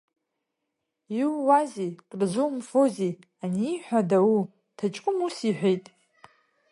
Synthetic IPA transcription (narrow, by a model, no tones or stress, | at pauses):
iwwːazikʼrzʷumfozi | aniiħʷᶣadawu | tʰat͡ʃʼkʼʊmusiħʷᶣejtʼ